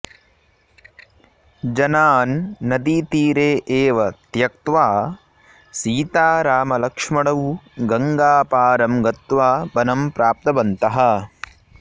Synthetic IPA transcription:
d͡ʒɐnaːnːɐd̪iːt̪iːɾeːʔeːʋɐt̪jɐk̚t̪ʋaː | siːt̪aːɾaːmɐlɐkʂmɐɽɐwɡɐŋɡaːpaːɾɐmɡɐt̪ʋaːbɐnɐmpɾaːp̚t̪ɐbɐnt̪ɐɦɐ̆

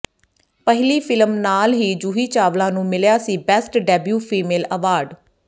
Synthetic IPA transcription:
pəɦɪliːfʰɪlmnaːlɦiːd͡ʒuɦiːt͡ʃaːʋlãːnũːmɪljaːsiːbɛːsʈɖɛːbjuːpʰiːmeːləʋaːɾɖ

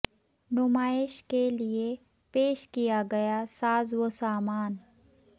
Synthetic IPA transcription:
nʊmaːɪʃkelie | peːʃkijaɡɐjasaːzwosaːmaːn

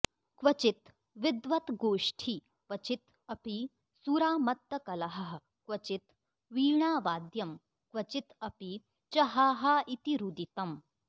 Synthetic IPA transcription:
kʋɐt͡ʃit̪ | ʋɪd̪ʋɐt̪ɡoːʂʈʰi | kʋɐt͡ʃit̪ | ɐpi | suɾaːmɐt̪ːɐkɐlɐɦɐɦ | kʋɐt͡ʃit̪ | ʋiːɳaːʋaːd̪jɐm | kʋɐt͡ʃit̪ɐpi | t͡ʃɐɦaːɦɐit̪iɾud̪it̪ɐm

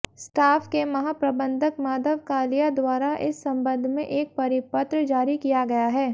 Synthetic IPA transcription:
sʈaːpʰkemɐɦaːpɾɐbə̃nd̪ʱəkmaːd̪əʋkaːlijad̪waːɾaʔɪsːɐ̃mbə̃nd̪ʱmẽʔeːk̚pɐɾɪpət̪ɾd͡ʒaːɾikijaɡɐjaɦɛː

